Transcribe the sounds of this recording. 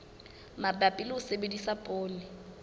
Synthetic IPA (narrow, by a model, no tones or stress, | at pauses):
mabʼapʼilɪʊsebedisapʼoːnɪ